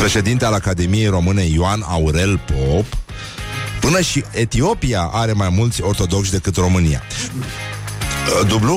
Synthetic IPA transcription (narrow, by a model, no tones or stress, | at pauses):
pɾe̞ʃe̞d̪int̪ealakad̪e̞mije̞jro̞mɨne̞joana̰uɾe̞lpo̞pː | ɨnəʃie̞t̪io̞piaʔaɾe̞majmult̪sʲo̞rt̪o̞d̪o̞kʃʲd̪e̞kɨt̪ro̞mɨnija̰ | d̪ublu